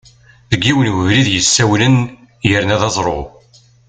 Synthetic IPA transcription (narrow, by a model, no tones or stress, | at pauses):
ðəɡːiwənwəvliðjəsːæwlən | jəɾnæðɑzˤɾˤo̰